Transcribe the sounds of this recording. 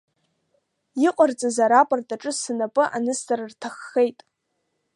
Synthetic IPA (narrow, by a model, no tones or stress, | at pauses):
iqʼart͡sʼazaɾapʼartʼaʈ͡ʂʼɨsɨnapʼɨʔa̰nɨstarrtʰaχːe̞jtʼ